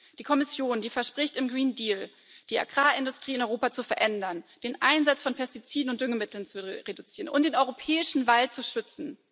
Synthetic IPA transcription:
d̥iːkʰɔmɪsjoːndiːfɛɐʃpʁ̥ɪçtɪmɡʁiːndiːl | d̥iːa̰ɡʁaːɪndʊstʁ̥iːɪnɔʏʁoːpat͡sufɛɐʔɛndɐnd̥eːnʔaɪnzat͡sfɔnpʰɛɐstit͡siːdn̩ʊnt̚d̥ʏŋəmɪtl̩nt͡suʁedut͡siːʁənʔʊ̰ntd̥eːnɔʏʁopʰɛːɪʃn̩valt͡suʃʏt͡sn̩

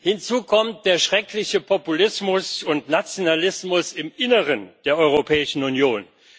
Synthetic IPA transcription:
hɪnt͡suːkʰɔmt̚d̥eːɐʃʁ̥ɛklɪçəpʰɔpulɪsmʊsʊntnat͡sjonalɪsmʊsɪmʔɪnəʁənd̥eːɐʔɔʏʁopʰɛːɪʃn̩unjoːn

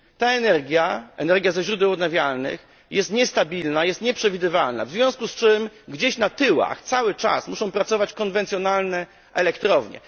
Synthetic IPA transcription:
t̪aɛnɛɾɡʲjaɛ̰nɛɾɡʲjazɛɕɾud̪ɛwɔd̪navʲjalnɘ̰x | jɛst̪ɲɛst̪abʲilnajɛst̪ɲɛpʂɛvʲid̪ɘvalna̰vzvʲjɔ̃w̃skust͡ʂɘmɡd͡ʑeɕnat̪ɘwa̰xt̪sawɘt͡ʂa̰smuʂɔ̃w̃pɾat̪sɔvat͡ɕkɔnvɛnt̪sʲjɔnalnɛ | ʔɛlɛkt̪ɾɔvɲɛ̰

